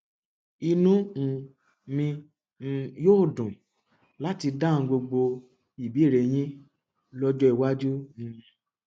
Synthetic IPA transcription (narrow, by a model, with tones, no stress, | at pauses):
i˧nũ˦˨ | mĩ˧ | joː˦˨dũ˨ | la˨˦ti˧dã˦˨˧ɡ͡bo˧ɡ͡bo˧ | i˨bi˨˦˨ɾe˨j̃ĩ˦ | lɔ˦d͡ʒɔ˦i˨wa˦d͡ʒu˦nĩ˧